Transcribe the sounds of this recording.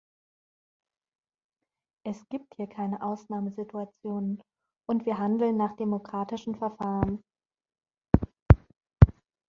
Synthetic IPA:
ʔɛsɡ̥iːp̚thiːɐkʰaɪnəʔaʊsnaːməzɪtuat͡sjoːnən | ʔʊntv̥iːɐɦandl̩nːaːχd̥emokʁ̥aːtɪʃn̩fɛɐfaːʁən

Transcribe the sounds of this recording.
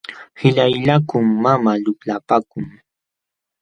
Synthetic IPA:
hɪʎajʎakʊŋːamaʎʊklapakʊŋ

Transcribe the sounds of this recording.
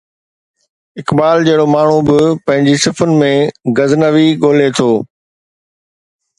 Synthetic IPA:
ɪkbaːld͡ʑɐɦɪɽomaːɳ̤ubɪpɐ̃ɦɪ̃ɲd͡ʑisɪfʊnɪ̆mẽɡɐznəʋiɠoːlet̪ʰoː

